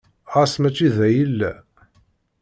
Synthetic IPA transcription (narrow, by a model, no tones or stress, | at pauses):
ʁasmæt͡ʃːiðæjəlːæ